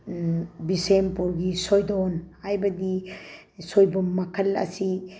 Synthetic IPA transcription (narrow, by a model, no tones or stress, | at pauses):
bisempɔɾɡisɔjdɔnhajbɐdi | sɔjbɔmakʰɐlɐ̰si